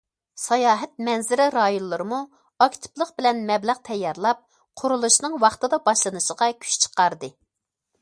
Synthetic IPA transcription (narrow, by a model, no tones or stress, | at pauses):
sɑjɑːɦɛt̪̚mɛnzɪɾɪɾɑjonlˠɨɾɨmu | ɑkʲt̪ʰɪ̥plˠəqbɪlɛnmɛblæʁt̪ʰɛjːɑɾlˠɑp̚ | qʰʊɾulˠuʃnɨŋwɑχt̪ɨd̪ɑbɑʃlˠɨnɨʃəʁɑkʲʰy̥t͡ʃt͡ʃʰə̥qɑɾd̪ɨ